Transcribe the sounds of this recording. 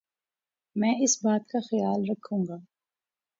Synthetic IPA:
mɛ̃ːɪsbaːt̪kaxɐjaːlɾɐkʰːũːŋɡaː

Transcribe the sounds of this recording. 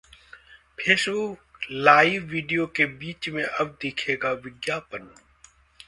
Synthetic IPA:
pʰeːsuːlaːiːʋːiːɖijoːkeːbiːt͡ʃmẽːʔəb̚d̪ɪːkʰeːɡaːʋɪɡjaːpən

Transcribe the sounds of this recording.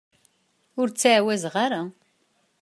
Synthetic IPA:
ʊɾt͡sːaʕwæzʁaɾa

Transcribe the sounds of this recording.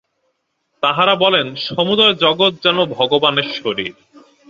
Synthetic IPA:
t̪aɦaɾabɔlenʃomud̪ɔed͡ʑɔɡot̪̚d͡ʑɛnobʱɔɡobaneɾʃoɾḭɾ

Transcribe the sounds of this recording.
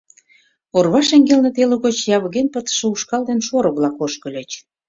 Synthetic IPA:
orβɑʃeŋɡelnĕt̪eluɣot͡ɕjɑβəɣenpət̪ə̥ʃĕuʃkɑld̪enʃoɾə̆βlɑkoʃkə̆lʲet͡ɕ

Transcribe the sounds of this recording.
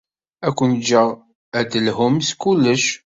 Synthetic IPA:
ækʷːənd͡ʒːəʁ | æd̪əlhʊmskulːəʃ

